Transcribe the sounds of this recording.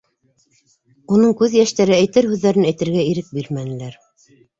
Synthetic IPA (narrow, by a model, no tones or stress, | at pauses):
unɤŋkʉðjæʃt̪æɾɘæjt̪ɘɾhʉðːæɾɘnæjt̪ɘ̆ɾɡæiɾɘk̚biɾmænɘ̆læɾ